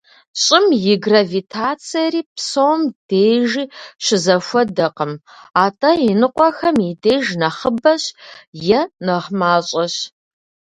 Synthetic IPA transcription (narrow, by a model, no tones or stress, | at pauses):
ɕʼɪmjɪɡravitʰaːt͡sʰijɐɾiːpsowmd̥eːʒiːɕɪzɐfʷɔdɐqəm | aːtʼɐjɪnɨqʷʼɔxɐmideːʒnɐχəbɐɕjɛnɐʁmaːɕʼɐɕ